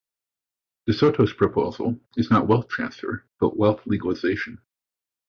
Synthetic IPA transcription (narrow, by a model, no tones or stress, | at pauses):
ðɨsoʊɾʰoʊz̥pʰɹ̥ɨpʰoʊz̥l̩ˠɨznəʔ̚wɛlˠθtʰɹ̥æ̰̃nsfə̰˞b̥ʌ̰ʔwɛlˠθliɡəlˠəz̥eɪʃɨ̃n̩